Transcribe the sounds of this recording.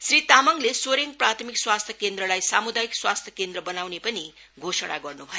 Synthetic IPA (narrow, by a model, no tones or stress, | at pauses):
srit̪amʌŋlesoɾeŋprat̪ʰmikswast̪ʰjʌkend̪rʌlajsamud̪ajikswast̪ʰjʌkend̪rʌbʌnawnepʌni | ɡʱosʌɽa̰ɡʌrnubʱʌjo